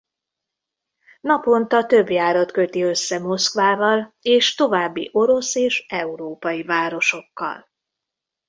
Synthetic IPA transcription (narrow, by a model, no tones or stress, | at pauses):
nɒpo̞nt̪ɒt̪ø̞bjaːɾot̪kø̞t̪iø̞sːɛmo̞skʋaːvɒleːʃt̪o̞vaːbːḭʔo̞ɾo̞seːʃɛuɾoːpɒjivaːɾo̞ʃo̞kːɒ̰l